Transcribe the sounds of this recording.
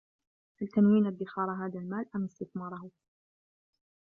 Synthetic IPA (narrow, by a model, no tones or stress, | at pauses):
ʔalt̪anwiːnad̪ːɪxɑːɾˤɦaːðalmaːlʔamɪst̪ɪθmɑːɾˤɑh